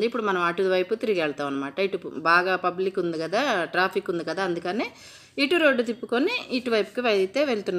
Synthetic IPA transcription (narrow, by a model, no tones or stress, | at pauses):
d̪uipːuɽumɐnɐmaːʈud̪ʋɐjput̪iɾiɡiɛɭt̪aːmɐnːɐmaːʈɐiʈubaːɡaːpɐblikːund̪ikɐd̪aːʈɾaːpʰikund̪ikɐd̪aːɐnd̪ukɐneː | iʈuɾoːɖːut̪ipːukoniːʈuʋɐjpu̥kiʋeit̪e̞ːʋeɭut̪unːa